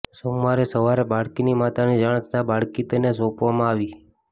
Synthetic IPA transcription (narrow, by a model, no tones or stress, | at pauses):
somːaɾesəʋaɾebaɽkinimat̪anid͡ʒaɽ̃t̪ʰə̥t̪abaɭkit̪ənesopʋamãaʋi